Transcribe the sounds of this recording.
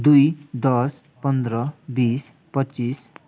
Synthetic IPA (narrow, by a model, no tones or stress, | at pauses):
d̪ujd̪ʌs | pʌnd̪ɾʌbis | pʌtːt͡sis